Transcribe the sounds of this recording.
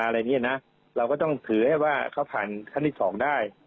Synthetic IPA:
a˧ɾa˧jni˦˥ʔa˨˩na˦˥ | ɾa˧wkɔː˥˩t̪ɔ˥˩ŋt̪ʰɯː˩˦ha˥˩waː˥˩kʰa˦˥wpʰaː˨˩nkʰa˥˩t̪ʰiː˥˩sɔː˩˦ŋdaː˥˩j

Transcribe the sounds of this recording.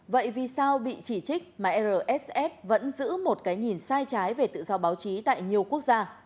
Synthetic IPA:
və̰˧˨jvi˨˩saː˧wɓḭ˧˨t͡ɕi˧˩t͡ɕï˦˥k̟̚maː˨˩ʔɛ˧zəː˨˩ʔɛ˦˥sʔɛ˦˥p̚və̰˧˥nzɨ̰˧˥mo˨˩t̚kaː˨˦jŋi˨˩nsaː˧jt͡ɕaː˨˦jve˨˩t̪ɨ̰˧˨zɔ˧ɓaː˨˦wt͡ɕi˨˦t̪a̰ː˧˨jɲi˨˩əwku˦˥ək̚zaː˧

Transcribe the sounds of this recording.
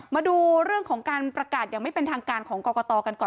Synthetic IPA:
maː˧duː˧ɾɯ˥˩əŋkʰɔː˩˦ŋkaː˧npɾa˧kaː˨˩t̪̚jaː˨˩ŋma˥˩jpe˧nt̪ʰaː˧ŋkaː˧nkʰɔː˩˦ŋkɔː˧kɔː˧t̪ɔː˧ka˧nkɔː˨˩

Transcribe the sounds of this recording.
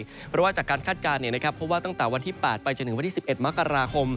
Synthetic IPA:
pʰɾɔ˦˥waː˥˩t͡ɕaː˨˩kːaː˧nkʰaː˥˩t̪̚kaː˧nːi˥˩ɐna˦˥kʰɾa˦˥pʰːo˦˥p̚waː˥˩t̪ɔ˥˩ŋt̪ɛː˨˩wa˧nt̪ʰiː˥˩pɛː˨˩t̪̚pa˧jt͡ɕaː˨˩k̚nɯ˨˩˦a˧t̪ʰi˥˩si˨˩pʔe˨˩t̪̚ma˦˥kːa˧ɾaː˧kʰo˧m

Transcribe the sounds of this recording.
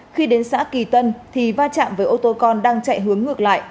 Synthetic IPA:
xi˧ɗe˨˦nsa̰ː˥ki˨˩t̪ə˧nt̪ʰi˨˩vaː˧t͡ɕa̰ː˧˨mvəː˨˦jʔo˧t̪o˧kɔ˧nɗaː˧ŋt͡ɕa̰˧˨jɦɨ˨˦əŋːɨ˨˩ək̚la̰ː˧˨j

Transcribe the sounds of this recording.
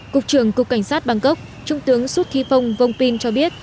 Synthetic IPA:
kʊ˨˩k͡p̚t͡ɕɨ˧˩əŋkʊ˨˩k͡pkːa˧˩jŋ̟saː˦˥t̚ɓa˧ŋkə˦˥wk͡p̚ | t͡ɕʊ˧ŋ͡mt̪ɨ˨˦əŋsu˦˥t̚t̪ʰi˧fə˧wŋ͡mvə˧wŋ͡mpi˧nt͡ɕɔ˧ɓi˦˥ət̚

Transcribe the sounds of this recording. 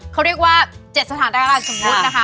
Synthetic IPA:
kʰa˦˥ɾi˥˩ək̚waː˥˩t͡ɕe˨˩t̪̚sa˧t̪ʰaː˨˩˦ndaː˧aː˧˩nso˨˩˦mku˦˥˧tna˦˥kʰa˦˥

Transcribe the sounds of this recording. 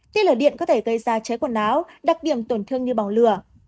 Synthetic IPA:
t̪i˦˥ləː˨˩ɗḭ˧˨ənkɔ˨˦t̪ʰe˧˩ɣə˧jzaː˧t͡ɕəː˨˦jkwa˧˩nʔaː˨˦w | ɗa˨˩k̚ɗi˧˩əmt̪o˧˩nt̪ʰɨ˧əŋɲɨ˧ɓa˨˩ŋ͡mlɨ˧˩ə

